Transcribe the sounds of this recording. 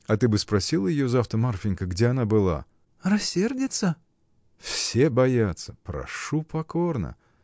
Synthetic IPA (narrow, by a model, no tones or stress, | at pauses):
ɐt̪ɨbɨspɾɐsʲilˠəjɪjozaft̪əmarfʲɪnʲkəɡdʲeɐnabɨlˠa̰ | rɐsʲːerdʲɪt̪sə | fsʲebɐjat̪səpɾɐ̰ʂupɐkornə̰